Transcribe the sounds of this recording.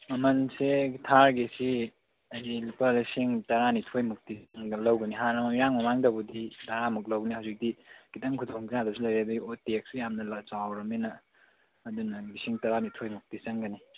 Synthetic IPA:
mɐmɐnsetʰaɾɡesi | ɐjdilipalisiŋtɐɾanitʰojmuk̚tisɐŋɡɐlɐwɡɐniɦaɾɐmɐmiɾaŋmɐmaŋdɐbudidaɾamuk̬̚lɐwɡɐnihawzik̚diɡ̥itɐŋkʰudoŋkijadɐsilɐjɾedɐɡiotek̚sijamnɐlɐt͡ʃawɾɐminɐː | dunɐlisiŋtɐɾanitʰojmuk̚tisɐŋɡɐni

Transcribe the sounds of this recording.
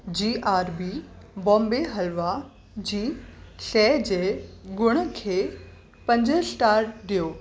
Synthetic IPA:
d͡ʑiːʔaːɾbi | bɔ̃ːmbeɦɐlʋa | d͡ʑiːʃɛːd͡ʑeːɡʊɽ̃ə̆kʰeː | pɐ̃ɲd͡ʑəsʈaːɾʈɗijoː

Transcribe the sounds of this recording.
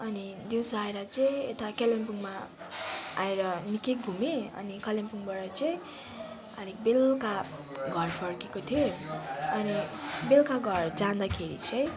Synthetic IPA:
ʌnid̪jiwsaeɾʌt͡sʌĩet̪akalempuŋma | a̰eɾʌnikeɡʱumeʌ̰nikʌlempuŋbʌɾʌt͡sʌĩ | ʌ̰nibelkaɡʱʌrpʰʌrkekot̪ʰijoʌnibelkaɡʱʌrd͡zãnd̪akʰeɾḭt͡sʌĩ

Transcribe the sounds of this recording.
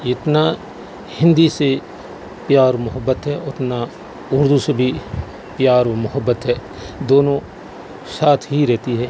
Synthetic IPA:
ɪt̪na | hɪ̃nd̪ise | pjaːɾomʊɦəbːət̪ɦɛːʊt̪na | ʊɾd̪usebʱi | pjaːɾmʊɦəbːət̪ɦɛː | d̪oːnõ | saːt̪ʰɦiɾɛɦt̪iɦɛː

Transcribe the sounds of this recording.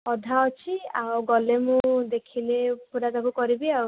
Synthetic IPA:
ɔd̪ʱaɔt͡ʃʰia̰wɡɔlemũd̪ekʰilepuɾazakukɔɾibiaw

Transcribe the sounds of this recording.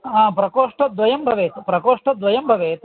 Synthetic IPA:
aːpɾɐkoːʂʈɐd̪ʋɐjɐmbʱɐʋeːt̪pɾɐkoːʂʈɐd̪ʋɐjɐmbʱɐʋeːt̪

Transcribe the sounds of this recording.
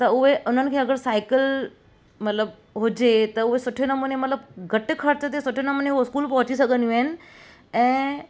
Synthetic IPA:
t̪ɐʊɦeʔʊn̤ənɪ̆kʰeːɐɡəɾsaɪkəl | mɐt̪ləb | ɦʊd͡ʑet̪ɐʊɦesʊʈʰenɐmuːnjemɐt̪ləbɡɐʈɪkʰɐɾt͡ɕət̪esʊʈʰenɐmuːnjeoskuːlpɐ̃ɦʊt͡ɕisɐɡənjũenɪ̆ | ɛ̃ː

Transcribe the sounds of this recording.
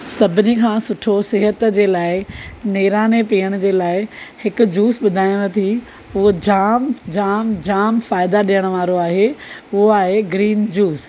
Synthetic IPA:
sɐbʱɪnikʰãːsʊʈʰosɪɦət̪d͡ʑeːlaːɪneːɾaːnepiːəɽ̃d͡ʑeːlaːɪhɪkʊd͡ʑuːsɓʊd̪ʱaːij̃ɐt̪ʰi | ʊɦod͡ʑaːmd͡ʑaːmd͡ʑaːmfaːɪd̪aɗijəɽ̃ʋaːɾoaːɦeːʊɦoaːɦeɡɾiːnd͡ʑuːs

